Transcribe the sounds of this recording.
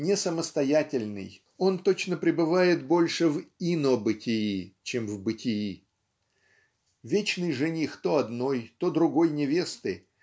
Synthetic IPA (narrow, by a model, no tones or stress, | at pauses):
nʲɪsəməst̪ɐjatʲɪlʲnɨ̰j | o̞nt̪o̞t͡ɕnəpɾʲɪbɨvajɪt̪bo̞lʲʂɨvinobɨtʲɪit͡ɕemvbɨtʲɪji | vʲet͡ɕnɨjʐɨnʲixt̪oɐd̪no̞jt̪o̞d̪ɾʊɡo̞jnʲɪvʲe̞st̪ɨ